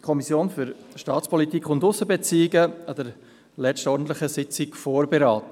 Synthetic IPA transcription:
kʰɔmisjoːnfʏɾʃtɑːt͡spʰɔlitiːkʰʊndʊsːəbet͡siːɪɡəɑd̥ɛɾ | lɛstɔɾdn̩t̪lɪχəsɪt͡sɪkfoːɾbeɾɑːtə

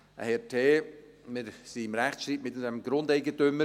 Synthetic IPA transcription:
ə̰hɛtʰeː | mɪɾsiɪmɾæχʃtɾiːtmɪtdɛmɡɾʊndɛɪɡətʏmə

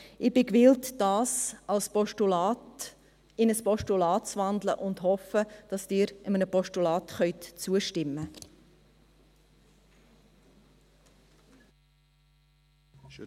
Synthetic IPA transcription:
ɪb̥ɪkvɪltd̥ɑːsɑlspɔʃtulɑːt | ɪnəspɔʃtulɑːtt͡svɑndləʔʊndhɔfəd̥ɑsd̥ɪːɾəmənəpɔʃtulɑːtχœʏtt͡suəʃtɪmːə

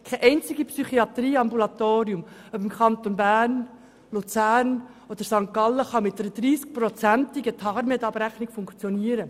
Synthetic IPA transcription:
kʰɛʔɛɪnt͡siɡipsyχiɑt̪ɾiːɑmbulɑt̪oːɾiumœbɪmkχɑnt̪onbæːrn | lut͡sæːɾn | od̥̪əɾsɑŋkːɑləχɑmɪtːəɾəd̥̪ɾiːsk̚pɾɔt͡sæntiɡət̪ʰɑːɾmɛt̪ɑb̥ɾæχnɪikfʊŋkt͡sjɔniːəɾə

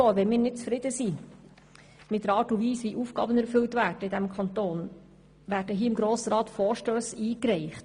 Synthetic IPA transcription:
oːʋɛnmɪːɾnɪt̚t͡sfɾɪd̥̪əsiː | mɪtd̥əɾɑːtʊviːsʋiʔuːfɡ̥ɑ̰ːbənæɾfʏltvædəɪdɛmkʰɑnt̪oːn | ʋæːdəɦiːɪmɡɾoːsəɾɑːt̪fɔːɾʃtøːsiːkɾɛɪχt

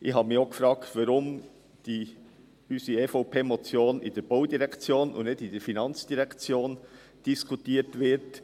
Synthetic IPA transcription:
ʔɪxhɑːbəmɪçoʊkfɾɑːktvɑɾʊm | d̥i | ysiefoʊpʰeːmot͡sjoːnɪ̰d̥ɛɾb̥oʊdiɾɛkt͡sjoːnʊ̰ndnetɪd̥ɛɾfinɑnt͡sd̥iɾɛkt͡sjoːn | d̥iskʰutiːtvɪɾt

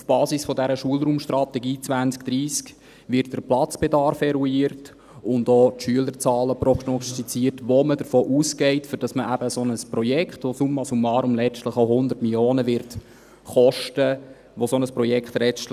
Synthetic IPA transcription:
ufb̥ɑːsisfɔdæɾəʃuəlɾuːmʃtrɑtɛɡiːt͡sʋænt͡skd̥ɾiːsk | ʋɪrt̚d̥əplɑt͡sb̥edɑɾfɛɾuiːɾt | ʊndɔːtʃyələɾt͡sɑːləprɔɡnɔstit͡siːrtʋomədəɾfoːʔuːsɡɛɪtfʏɾd̥ɑsməʔæbəsonəsprɔjɛkχtʋosumːɑsumːɑːɾʊmlɛt͡ʃtləχawhʊnd̪ərtmiljoːnəʋɪɾt | χɔʃtə | ʋosonəspɾɔjɛkχt̪lɛt͡ʃtl

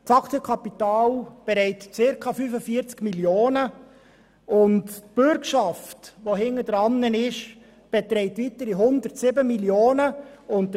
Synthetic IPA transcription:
tɑkʰt͡sjɛkʰɑpitɑːlb̥eɾɛɪtt͡sɪɾkʰɑfyfəfiəɾt͡skmiljoːnə | ʔʊntb̥ʏɾkʃɑftʋoɦhɪŋədəɾɑnːənɪʃ | b̥ɛt̪ɾɛɪtʋitəɾiɦʊndəɾtsɪbəmiljoːnəʊntdə

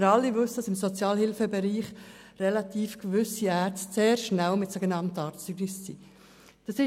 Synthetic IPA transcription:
ɾɑlːivʉsəd̥ɑsɪmsot͡sjɑːlhɪlfəbɛɾiːχ | rɛlɑt̪iːfkʋʏsiæːɾt͡sstseːɾʃnælmɪtsoɡɛnɑntəɑːɾtyɡnɪsːḭ | d̪̥ɑsɪ

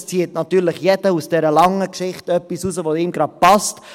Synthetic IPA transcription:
st͡siːətnɑtyːɾlɪχjɛd̥əusd̥ɛɾəlɑŋəkʃɪχtœpːisuːsəʋoɪːmɡɾɑd̥̚pɑst

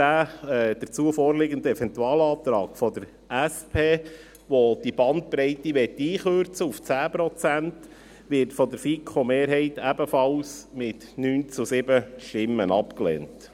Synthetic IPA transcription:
æːɛd̥̪əɾt͡suəfɔːɾlɪɡənd̪əɛfɛnt̪uɑːlɑːt̪ɾɑːɡfɔd̥̪əɾ | æspʰeː | ʋod̥ibɑnt̪̚pɾɛɪtiʋɛt̪ːiːχøɾt͡səuft͡sæːpɾɔt͡sænt | ʋɪɾtfɔd̪əɾfikʰχomeːɾɦɛɪtæbəfɑlsmɪt | nyːnt͡susɪbəʃtɪmːənɑpklḛːnt

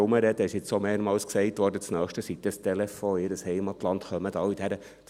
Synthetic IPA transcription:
ʊməɾɛd̪əɪʃɪt͡ssomeːɾmɑːlsksɛɪt̪ʋɔːɾdət͡snœːχʃtəsit̪ːəst̪ɛlɛfoɪɾəshɛɪmɑt̪lɑnt̪χœməd̪̥ɑːid̥æɾə

